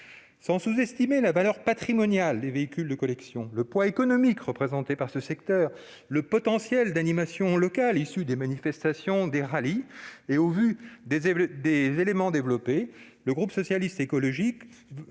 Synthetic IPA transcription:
sɑ̃suzɛst̪imelavalœʁpat̪χimɔnjald̪eveikʲyld̪əkɔlɛksjɔ̃ləpwaekɔnɔmikʁəpχezɑ̃t̪epaʁsəsɛkt̪œːʁ | ləpɔt̪ɑ̃sjɛld̪animasjɔ̃lɔkalisyd̪emanifɛst̪asjɔ̃d̪eʁalieovyd̪ed̪ezelemɑ̃d̪evlɔpe | ləɡʁupsɔsjalist̪ekɔlɔʒik

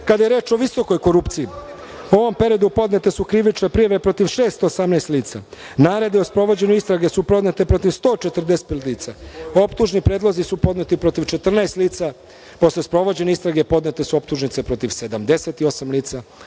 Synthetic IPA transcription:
kad̪ajeɾe̞ːt͡ʃo̞ʋiso̞ko̞jko̞ɾupt̪siji | uo̞ʋo̞mpe̞ɾiod̪upo̞d̪net̪e̞sukɾiʋit͡ʃnepɾijaʋe̞pɾo̞t̪iʋʃe̞ːst̪osamnajst̪liːt̪sa̰ | naːɾe̞d̪iospɾo̞ʋo̞d͡ʑe̞ɲuist̪ɾaɡe̞supɾo̞d̪net̪epɾo̞t̪iʋst̪o̞ːt͡ʃe̞t̪r̩d̪e̞se̥t̪plliːt̪sao̞pt̪uʒnipɾe̞ːd̪lˠozisupo̞d̪net̪ipɾo̞t̪iʋt͡ʃe̞t̪r̩naest̪liːt̪sa | po̞slespɾo̞ʋo̞d͡ʑe̞neist̪ɾaɡe̞po̞d̪net̪esuop̚t̪uʒnit̪se̞pɾo̞t̪iʋse̞d̪amd̪e̞se̞t̪io̞samliːt̪sa

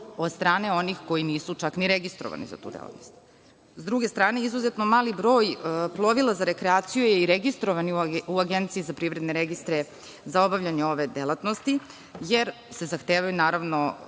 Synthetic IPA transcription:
od̪st̪ɾaːne̞o̞nixko̞jiniːsut͡ʃakniɾeɡist̪ɾo̰ʋa̰nḭza̰t̪ṵːd̪ḛlˠa̰t̪nost̪ | zd̪ɾuɡe̞st̪ɾaːne̞izuzet̪nomaːlibɾo̞ːjplˠo̞ʋilˠazaɾe̞kɾeaːt̪sijujeiɾeɡist̪ɾoʋaniuaɡe̞nt̪siizapɾivɾe̞d̪neɾeɡist̪ɾe | zao̞baʋʎaɲeo̞ʋe̞d̪elˠat̪no̞st̪i | je̞ɾ | se̞zaxt̪e̞ːʋajunaːɾaʋno̞

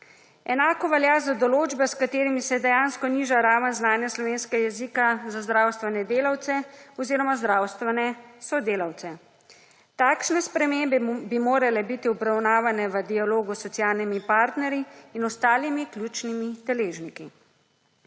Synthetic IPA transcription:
ɛnaːkɔʋɛljazad̪ɔloːd͡ʒbɛskat̪eːɾimisɛd̪ɛjanskɔniːʒaɾaːʋənznaːnjaslɔʋeːnskɛjɛzikazazd̪ɾaːwst̪ʋɛnɛd̪eːlawt̪sɛɔziːɾɔmazd̪ɾaːwst̪ʋɛnɛsɔd̪eːlawt̪sɛ | t̪aːkʃnɛspɾɛmembɛbimoːɾalɛbit̪iɔbɾawnaːʋanɛʋəd̪ijaloːɡusɔt̪sjaːlnimipaːɾt̪nɛɾjiːnɔst̪aːlimiklʲjuːt͡ʃnimid̪ɛleːʒniki

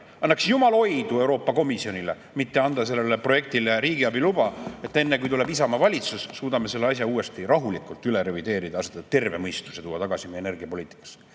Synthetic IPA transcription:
ɑnːɑksjumɑlo̞jd̪̥ue̞wɾo̞ːpːˑɑko̞misio̞nile | mit̪ːe̞ɑnd̪̥ɑse̞lːelːepro̞je̞k̚t̪ileɾiːɡiɑbilub̥ɑe̞t̪ːe̞nːekujt̪ulebisɑmɑvɑlʲit̪susːuːd̪ɑme̞se̞lːeɑsjɑuːe̞st̪iɾɑɦulikːˑult̪ːˑyle̞ɾe̞vid̪e̞ːɾid̪̥ɑɑset̪ɑt̪ːe̞rve̞mɤjst̪u̥set̪uːɑt̪ɑɡ̥ɑsimejene̞rɡ̥iɑpo̞liːt̪ˑi̥kːˑɑ̥s

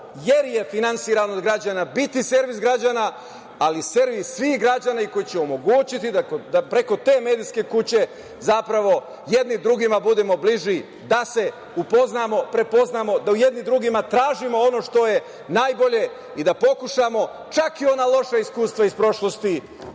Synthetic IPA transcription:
jeɾje̞finansiːɾanod̪ɡɾad͡ʑanabit̪ise̞ɾʋisɡɾad͡ʑana | alise̞ɾʋissʋixɡɾad͡ʑanaiko̞jit͡ɕeomo̞ɡuːt͡ɕit̪id̪akod̪apɾe̞ko̞t̪e̞ːme̞ːd̪iske̞kut͡ɕe̞ | zapɾaʋo̞ | je̞d̪nid̪ɾuɡimabud̪e̞mo̞bliʒi | d̪ase̞ | upo̞znamo̞pɾe̞po̞znaːmo̞d̪auje̞d̪nid̪ɾuɡimat̪ɾaːʒimo̞o̞no̞ʃt̪o̞je̞ | naːjbo̞ʎe̞ | id̪apo̞kuʃamo̞ | t͡ʃakio̞naːlˠo̞ʃaiskuːst̪ʋaispɾo̞ʃlˠo̞st̪i

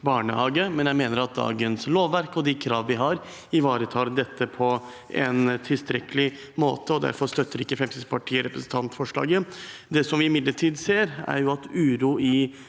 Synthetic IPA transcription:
bɑːɳəhɑːɡəmɛnjæɪmeːnəɾɑt̪̚d̪ɑ̰ːɡənsloːʋːæɾkɔd̪ɛkʰɾɑːʋʋɪɦɑɾ | ɪʋɑːɾət̪ʰɑːɾd̪ɛt̪ːəpʰɔ | ɛnt̪ʰɪlst̪ɾɛkəlɪ | mo̰ːt̪əɔd̪æ̰ɾfɔɾʂt̪œt̪ːəɾɪkːəfɾɛmsɪsə̥pʰɑʈʰiːəɾɛpɾəsn̩t̪ʰɑnt̪fɔʂɭɑ̰ːɡəd̪ɛsɔmʋɪɪmɪd̪ləʈʰiːd̪seːɾæ̰ɾjʊɑt̪ʉːɾuɪ

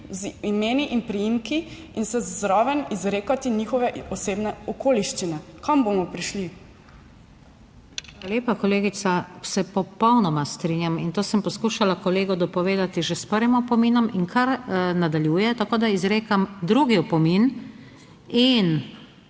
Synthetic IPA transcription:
zimeːniʔinpɾijimki | insɛzzɾɔːʋɛnizɾeːkat̪inixɔʋɛɔseːbnɛɔkoːliʃt͡ʃinɛkɔmbomɔpɾiʃli | xalaljeːpakɔleːɡit̪sasɛpɔpɔwnɔmast̪ɾinjamint̪oːsəmpɔskuːʃalakɔleːɡɔd̪ɔpɔʋeːd̪at̪iʒespəɾʋimɔpɔmiːnɔmiŋkʰaɾnad̪aljuːjɛt̪akoːd̪aizɾeːkamd̪ɾuɡiɔpɔmin | in

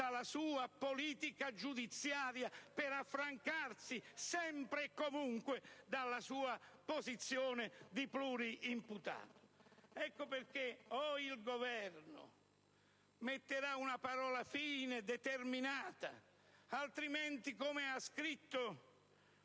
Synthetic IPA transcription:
d̪alasuːapoliːt̪ikad͡ʒud̪it̪sːjaːɾjapɪɾafːɾaŋkarsisɛmpɾɪːkːomuŋkwɪd̪alːasuːapozit̪sːjoːnɪd̪ipluːɾiʔimput̪a̰ːt̪ʊ̥ɛkːʊpɪrkɪɔilɡovɛrnʊ̰ | met̪ːɪɾaunapaɾɔːlafiːnɪd̪ɛt̪erminaːt̪a̰ | alt̪ɾimɛnt̪ikomɪaskɾit̪ːʊ

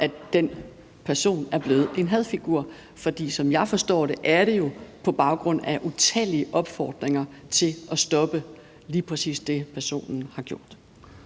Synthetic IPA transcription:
ʔæd̥en | pʰæɐso̝̰ːnæɐb̥le̝ːð̩ˠʔe̝nɦɛð̞ˠfiɡ̥uɐ̰ | fɒ̽d̥ḭːsɒ̽mjɑ̈ɪfɒ̽sd̥ɒ̰ːɾ̥e̝ʔæɐɾ̥e̝jo̝pʰɒ̽b̥ɑ̈ʊɡ̥ʁɔ̽n̰æʔut͡sʰɛ̰ːliəʔɒ̽b̥fɒːd̥ʁeŋɐt͡sʰe̝ʔɒ̽sd̥ɒ̽b̥ə | liːpʰʁɛsḭːsd̥e̝pʰæɐso̝̰ːnn̩hɑ̈ɡ̥jo̝ɐ̰d̥

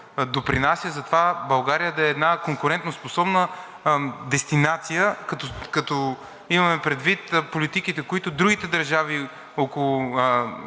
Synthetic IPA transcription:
d̪opɾinasʲjəzɐt̪ovabɐlˠɡaɾijəd̪ɐɛːd̪nakoŋkʊɾɛnt̪nosposɔbnə | d̪ɛst̪inat̪sijəkɐt̪okɐt̪ɔ | imɐmɛpɾɛd̪vit̪polit̪ikit̪ɛkoit̪ʊd̪ɾuɡit̪ɛd̪ɐɾʒavi | okolˠʊ

